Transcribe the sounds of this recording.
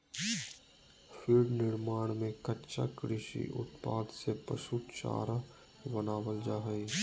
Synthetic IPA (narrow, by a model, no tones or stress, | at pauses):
fʰɪɾnɪɾmaːɽ̃mẽkətːʃa̰kɾɪʃḭʔʊ̰t̪paːd̪sepə̰suːt̪t͡ʃa̰ːɾa | bənaːwəld͡ʒaːɦəi